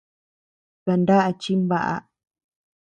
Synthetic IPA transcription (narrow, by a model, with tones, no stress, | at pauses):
ka˧nda˦ʔa˧t͡ʃi˦mβa˨ʔa̰˧